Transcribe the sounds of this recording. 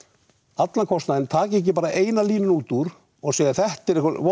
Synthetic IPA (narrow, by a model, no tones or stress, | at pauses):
at̪lakʰɔst̪naðɪnt̪ʰaːcɪɛc̬ːɪpaːɾaʔeːjnaliːnʏnuːt̪uɾ | ɔɣseːjɪθɛht̪ɛɾehkavɔ